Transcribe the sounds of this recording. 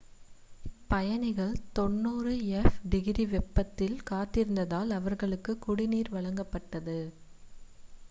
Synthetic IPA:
pːɐjɐnɪɣɐɭt̪ɔnːuːrɯɛfɖɪɣɪɾiʋɛpːɐt̪ːɪlkaːt̪ːɪɾɯnd̪ɐðaːlɐʋɐɾɣɐɭɯkːɯkːʊɽɪniːɾʋɐɭɐŋɡɐpːɐʈːɐðɯ

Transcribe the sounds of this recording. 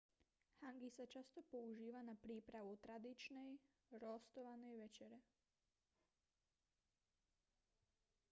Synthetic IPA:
haŋɡisat͡ʃast̪opo̞uʒiːʋanapɾiːpɾaʋut̪ɾad̪it͡ʃnej | ɾost̪oʋanojʋet͡ʃeɾe

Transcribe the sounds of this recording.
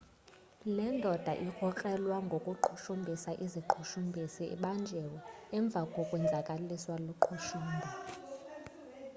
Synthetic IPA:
lɛndʱɔd̥ʱaʔixʰɔk͡xʼɛlwaŋɡʱokʼuǃʰuʃumbʱisaʔiziǃʰuʃumbʱisiḭɓand͡ʒʱɛwɔɛɱb̪vʱakʼɔkʼwɛnd͡zʱakʼaliswaluǃʰuʃuːmbʱa

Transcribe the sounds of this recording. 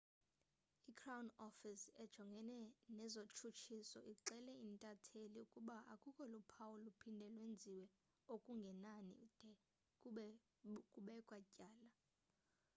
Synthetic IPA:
ikʰrawnɔfisɛd̥ʒ̥ʱɔŋɡʱɛnɛnɛzot͡ʃʰut͡ʃʰisɔʔiǁɛlɛintʼatʰeliukʼuɓaʔa̰kʼukʼɔlupʰawulupʰindʱɛlwend͡zʱiwɛ | okʼuŋɡʱɛnanḭd̥ʱɛ | kʼuɓɛkʼwacʼaːla

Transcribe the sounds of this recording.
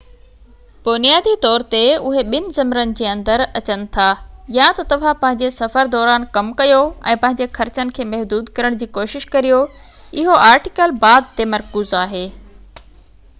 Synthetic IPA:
b̥ʊnijaːd̪it̪ɔːɾt̪eʊɦeɓɪnɪ̆zɐmɾənɪ̆d͡ʑeːɐ̃nd̪əɾɐt͡ɕənɪ̆t̪ʰaːjat̪ɐt̪ɐʋ̤ãpɐ̃ɦɪ̃ɲd͡ʑesɐfəɾd̪ɔːɾaːnkɐmkɐjoɛ̰̃ːpɐ̃ɦɪ̃ɲd͡ʑexɐɾt͡ɕənɪ̆kʰeːmɐɦd̪uːd̪kɐɾəɽ̃d͡ʑiːkoːʃɪʃkɐɾijo | ɪɦoʔaːɾʈɪkəlbaːd̪̚t̪emɐɾkuːzaːɦeː

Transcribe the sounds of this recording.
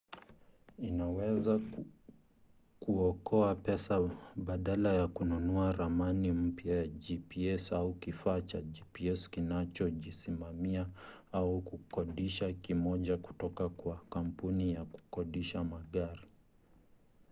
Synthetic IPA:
inawɛza | kuɔkɔapɛsaɓaɗalajakununuaɾamanim̩pjajad͡ʒipiɛsaukifaːt͡ʃaʄipiɛskinat͡ʃɔʄisimamia | aukukɔɗiʃakimɔʄaku̥tɔkakwakam̩punijaku̥kɔɗiʃamaɠaɾi

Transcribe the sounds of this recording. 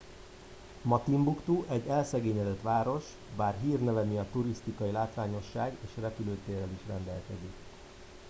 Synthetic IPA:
mɒt̪imbukt̪uʔɛɟːɛlsɛɡeːɲɛd̪ɛt̪ʋaːɾo̞ʃ | baːrɦiːrnɛvɛniɒt̪uɾist̪ikɒjilaːt̪ʋaːɲo̞ʃːaːɡeːʃrɛpyløːt̪ːeːrɛliʃrɛ̰nd̪ɛ̰lkɛ̰zik

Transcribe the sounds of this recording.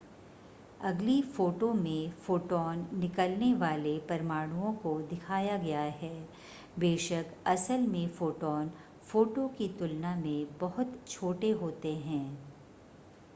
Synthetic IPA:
ɐɡlifoːʈomẽfoːʈɔːnːɪkəlneʋaːlepɐɾmaːɽ̃uõkod̪ɪkʰaːjaɡɐjaɦɛː | beːʃəkɐsəlmẽfoːʈɔːn | foːʈokit̪ʊlnamẽbɐɦʊt̪t͡ʃʰoːʈeɦoːt̪eɦɛ̃ː

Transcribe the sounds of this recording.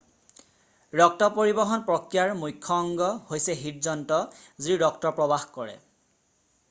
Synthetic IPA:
ɹɔk̚tɔpoɹibɔɦɔnpɹɔkɹijaɹmujkʰːɔːŋɡɔhojsɛɦiɹzɔntɔziɹɔktɔpɹɔbaxkɔɹɛ̰

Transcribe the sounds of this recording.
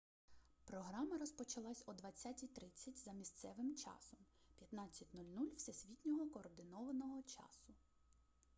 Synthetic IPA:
pɾɔɦɾɑmɐɾɔspɔt͡ʃɐlˠɑsʲɔd̪ʋɐt͡sʲːatʲit̪ɾɪt͡sʲːɐtʲzɐmʲist̪sɛʋɪmt͡ʃɑ̰sɔmpʲjɐt̪nɑt͡sʲːɐtʲnulʲnulʲw̥sʲesʲʋʲitʲnʲɔɦɔkɔːrd̪ɪnɔʋɐnɔɦɔt͡ʃɑ̰sʊ

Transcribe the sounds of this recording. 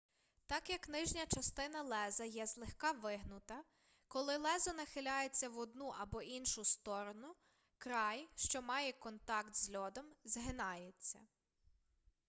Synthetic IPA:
t̪ɑkjɐknɪʒnʲɐt͡ʃɐst̪ɪnɐlˠɛzɐjɛzlˠɪxkɑʋɪɦnʊt̪ɐ | kɔlˠɪlˠɛzɐnɐxɪlʲɑjet͡sʲːɐʋɔd̪̚nuʔɐbɔʔinʃʊst̪ɔɾɔnʊ | kɾɑjʃt͡ʃɔmɑjɛkɔnt̪ɑkt̪zlʲɔd̪ɔmzɦɪnɑjet͡sʲːɐ̰

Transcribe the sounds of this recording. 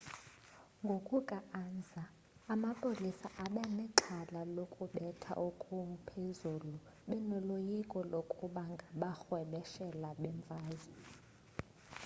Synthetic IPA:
ŋɡʱokʼukʼaʔand͡zʱaː | mapʰʼolisaʔaɓanɛǃʰalalokʼuɓɛtʰa̰ʔukʼum̩pʰezulu | ɓɛnɔlojikʼɔlokʼuɓaŋɡʱaɓaxwɛɓɛʃɛlaɓɛɱvʱaːzi

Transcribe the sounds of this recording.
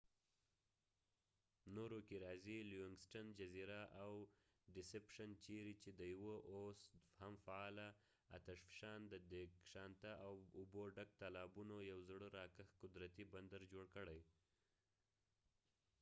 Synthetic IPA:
noɾokeɾɑziljuɪŋɡsʈand͡ʒaziɾaʔaw | ɖɪsepʃant͡ʃeɾit͡ʃed̪əjwəʔoshamfaɑla | a̰t̪aʃfɪ̥ʃɑnd̪əd̪ekʃɑnt̪aʔawʊboɖak̚t̪alɑbunojawzɽəɾɑkəxkʊd̪ɾat̪iband̪aɾd͡ʒoɽkəɽaj

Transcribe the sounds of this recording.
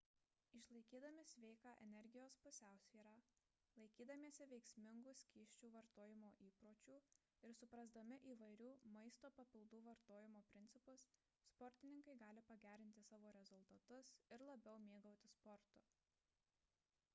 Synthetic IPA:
ɪʃlˠɐɪkʲiːd̪ɐmʲɪsʲʋʲɛɪkɑːʔɛnʲɛɾʲɡʲɪjoːspʊsʲæˑʊsʲʋʲiːɾɑː | lˠɐɪkʲiːd̪ɐmʲeːsʲɪʋʲɛɪksʲmʲɪŋɡʊːsʲkʲiːʃʲt͡ʃʲuːʋɐɾt̪oːjɪmoːʔiːpɾoːt͡ʃʲuː | ɪɾsʊpɾɐzd̪ɐmʲɪʔiːʋɐɪɾʲuːmɐɪst̪oːpɐpʲɪlˠd̪uːʋɐɾt̪oːjɪmoːpʲɾʲɪnʲt̪sʲɪpʊsː | pɔɾʲt̪ʲɪnʲɪŋkɐɪɡɑːlʲɪpɐɡʲæːɾʲɪnʲt̪ʲɪsɑːʋoːɾʲɛzʊlˠt̪ɐt̪ʊsɪɾlˠɐbʲɛʊmʲeːɡɐʊt̪ʲɪspɔɾt̪ʊ

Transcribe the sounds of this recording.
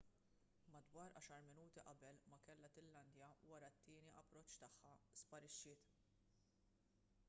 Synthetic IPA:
mɐd̪wɐːɾʔɐ̰ːʃɐɾmɪnuːt̪iʔɐbɛlmɐkɛlːɐt̪ɪlːɐnd̪jɐwɐɾɐt̪ːɪːniʔɐpːɾɔt͡ʃːt̪ɐħːɐspɐɾɪʃːɪːt̪

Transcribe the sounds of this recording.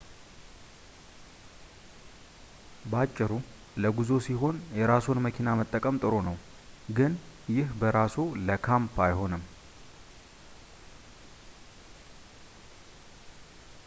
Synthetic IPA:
bat͡ʃʼːɪɾu | ləɡuzo̞siɦo̞njɛɾasonməkʰinamət̪ʼːəkʼəmt̪ʼɨɾo̞nəw | ɡɨnjɪhbəɾasuləkʰampʰajho̞nɨm

